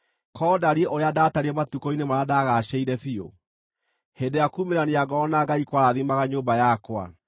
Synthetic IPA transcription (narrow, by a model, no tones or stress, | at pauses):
kɔːdaɾieʔoɾeadataɾiɛmatukɔinemaɾadaɣaɕɛiɾɛfio̰ | hendejakumeɾaneaɡɔɔnaɡaikwaɾaðimaɣaɲoːmbajakwa̰